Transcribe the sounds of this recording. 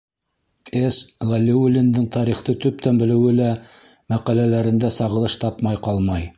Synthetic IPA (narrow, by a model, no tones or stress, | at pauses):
eslalʲːiulʲːɪnd̪ɘɴt̪ʰɑɾiχt̪ɤt̪ɵp̚t̪ænbɘ̆lɘ̆wɘlæ | mæqælælæɾɘ̆nd̪æsɑʁɤ̆lˠɤʃt̪ɑpmɑjqɑlˠmɑj